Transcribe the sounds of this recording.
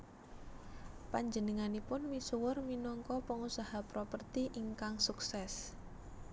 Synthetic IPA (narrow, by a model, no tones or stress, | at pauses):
paɲd͡ʒənəŋanipʊnmisuwʊrminɔŋkɔpəŋusahapɾopərt̪iʔiŋkaŋsuksɛs